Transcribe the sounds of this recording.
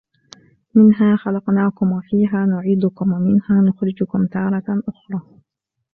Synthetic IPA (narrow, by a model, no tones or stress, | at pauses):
mɪnɦaːxɑlɑqnaːkʊmwafiːɦaːnʊʕiːd̪ʊkʊmwamɪnhaːnʊxɾɪd͡ʒʊkʊmt̪ɑːɾˤɑʔʊxɾˤɑː